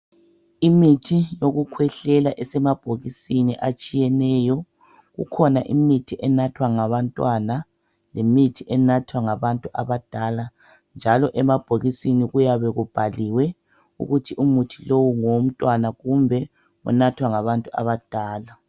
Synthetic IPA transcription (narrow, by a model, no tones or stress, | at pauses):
imitʰijoɣukʰwɛɬɛlaʔɛsɛmab̥ʱoɣisiniʔat͡ʃʼijɛnɛjɔ | ɣṵkʰɔnaʔḭmitʰiʔɛnatʰwaŋaβantʼwana | lemitʰiʔɛnatʰwaŋaβantʼuʔaβad̥ʱala | nd͡ʒʱalɔʔɛmab̥ʱoɣisiniɣujaβɛɣub̥ʱaliwɛ | ṵɣutʰiʔumutʰilowuŋom̩tʼwanaɣumbʱɛ | ṵnatʰwaŋaβantʼua̰βad̥ʱaːla